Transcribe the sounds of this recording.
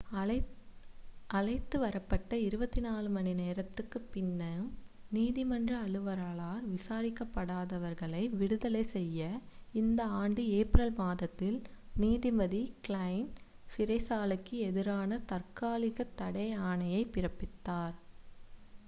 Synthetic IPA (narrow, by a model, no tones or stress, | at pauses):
ʔɐlɐɪt̪ːɯʋɐɾɐpːɐʈːɐɪɾɯbɐt̪ːinaːlɯmɐnɪneːɾɐt̪ːɯkːɯpːɪnːɐɯmniːðɪmɐndrɐːɭɯʋɐɾaːɭaːɾʋɪsaːɾɪkːɐpːɐɽaːðɐʋɐɾɣɐɭɐɪʋɪɽɯðɐlɐɪsɛjːɐɪnd̪ɐaːɳɖɯeːpɾɐlmaːðɐt̪ːɪlniːðɪmɐðiklɐɪn | fɪɾɐɪsaːlɐkːɯɛðɪɾaːnɐt̪ɐrkaːlɪɣɐt̪ːɐɽɐɪaːɳɐjɐɪpɪɾɐpːɪt̪ːaːɾ